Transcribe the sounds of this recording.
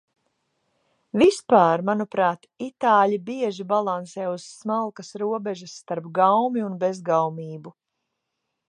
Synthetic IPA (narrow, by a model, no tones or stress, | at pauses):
vispaːɾmanupɾaːt̪it̪aːʎibiɛʒibalˠansɛːuz̥smalˠkɐsɾuɔbɛʒɐsːt̪aɾpɡawmiunbezɡawmiːbu